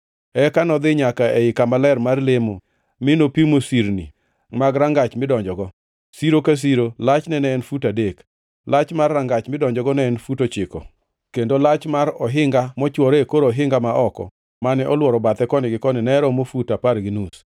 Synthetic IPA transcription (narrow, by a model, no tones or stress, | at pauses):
ɛkanɔd̪ɪɲakaʔeɪkamalɛɾmarlemo | mɪnopimosiɾnḭ | maɡɾaŋɡat͡ʃmɪdɔɲd͡ʒɔɡɔ | siɾokas̬iɾolat͡ʃnɛnɛːnfutadek | lat͡ʃmarːaŋɡat͡ʃmɪdɔɲd͡ʒɔɡɔnɛːnfutot͡ʃɪkɔ̰ | kendolat͡ʃmaɾɔɦɪŋɡamɔt͡ʃwɔɾekoɾɔɦɪŋɡamaʔɔkɔ̰ | manɛʔɔlwɔɾɔbat̪ɛkɔnɪɡɪkɔnɪnɛɾɔmofutaparɡɪnus